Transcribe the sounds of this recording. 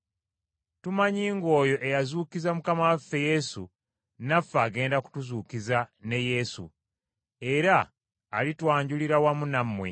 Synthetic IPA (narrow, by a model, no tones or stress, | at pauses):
tumaɲiːŋɡo̞ːjo̞ʔejazuːkizamukamawafːe̞je̞sṵ | nafːaːɡe̞ːndaku̥tuzuːkizane̞je̞ːsṵ | e̞ɾaː | litwaːɲɟuliɾawamunamwe̞̰